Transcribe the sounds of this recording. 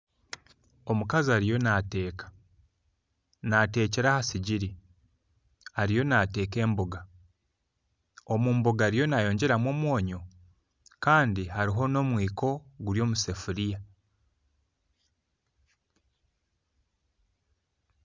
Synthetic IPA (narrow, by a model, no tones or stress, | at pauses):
o̞mukaziaɾijo̞nate̞ːkḁ | nate̞ːceɾahasiɟiɾi | aɾijo̞nate̞ːke̞ːmboɡa | o̞muːmboɡaɾijo̞najo̞ːɲɟe̞ɾamo̞ːmwo̞ːɲo̞ | kaːndihaɾiɦo̞no̞ːmwiːkʰo̞ɡuɾjo̞ːmusefuɾija